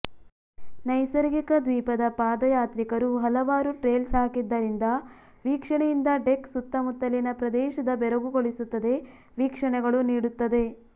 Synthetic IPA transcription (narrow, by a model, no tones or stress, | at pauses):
nɐjsɐɾɡikɐd̪ʋiːpɐd̪ɐpaːd̪ɐjaːt̪ɾikɐɾuɦɐlɐʋaːɾuʈɾeːlsɦaːkid̪ːɐɾind̪ɐ | ʋiːkʂɐɳɛjind̪ɐɖeksut̪ːɐmut̪ːɐlinɐpɾɐd̪ɛːʃɐd̪ɐbɛɾɐɡuɡoɭisut̪ːɐd̪e̞ | ʋiːkʂɐɳɛɡɐɭuniːɽut̪ːɐd̪e̞